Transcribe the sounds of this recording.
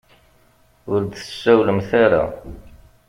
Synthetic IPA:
ʊɾd̪θə̥sːæwləmθaɾa̰

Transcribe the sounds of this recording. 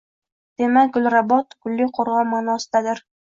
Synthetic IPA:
d̪̥emak̚ʲɡʊlʲɾabɒt̪kʰʊlːɪqʰoɾʁɑnmːaːnɒsɪ̥d̪ad̪ɪɾ

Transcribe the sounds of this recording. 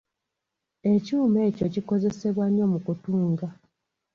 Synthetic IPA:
e̞cuːme̞ːco̞ciko̞ze̞se̞βwaɲːo̞mukutuːŋɡa

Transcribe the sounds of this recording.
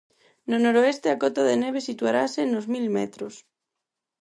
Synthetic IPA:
nonoɾoest̪eakɔt̪aðeneβ̞esit̪uaɾasenozmilmḛt̪ɾos

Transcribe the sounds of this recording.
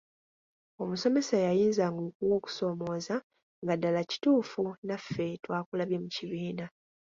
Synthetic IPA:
o̞muso̞me̞sajajiːnzaŋɡokuwoku̥so̞ːmo̞ːza | ŋɡadalaci̥tuːfunafːe̞twaːkulaβjemuciβiːna

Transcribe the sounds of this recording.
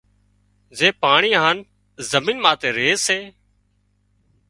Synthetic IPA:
zeːpaːɳiːɦaːn | zəmĩːnmãːt̪eːɾeːseː

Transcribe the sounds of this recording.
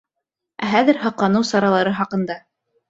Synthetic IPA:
æɦæðɘɾhɑqlˠɑnɤwsɑɾɑlˠɑɾɤɦɑqɤ̆nd̪ɑ

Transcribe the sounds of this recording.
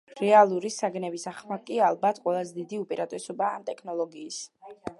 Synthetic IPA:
ɾɛalˠuɾisaɡnɛbisaχmakʼialˠbat̪ʰqʼwɛlˠazɛd̪id̪iupʼiɾat̪ʼɛsɔbaːmt̪ʼɛkʰnɔlˠɔɡiːs

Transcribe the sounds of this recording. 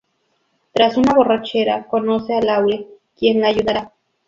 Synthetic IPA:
t̪ɾasunaβo̞rat͡ʃeɾakonosealawɾe | kjenlaːjuðaɾa

